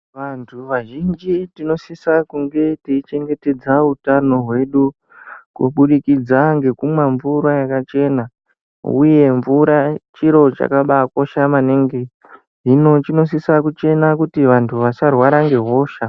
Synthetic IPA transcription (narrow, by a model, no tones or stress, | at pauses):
ʋantʰuʋaʒind͡ʒitino̞sisakuŋɡe̞tiit͡ʃe̞ŋɡe̞te̞d͡zautano̞ɦwe̞ɗu | kṵɓuɗikid͡zaŋɡe̞kumwaɱvuɾajakat͡ʃe̞na | ṵje̞ɱvuɾat͡ʃiɾo̞t͡ʃa̰kaɓako̞ʃamaneŋɡe | ɦino̞t͡ʃino̞s̬isakut͡ʃe̞nakutiʋantʰuʋat͡ʃarwaɾaŋɡe̞ɦo̞ːʃa